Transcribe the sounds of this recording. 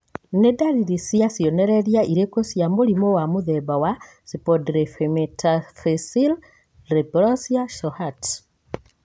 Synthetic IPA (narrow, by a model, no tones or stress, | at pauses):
nedaɾiɾisiasijɔnɛɾɛɾjaiɾekosjamolimowamuðɛβawa | sipɔdɾefemetafesil | ɾepɾɔsiaʃɔhat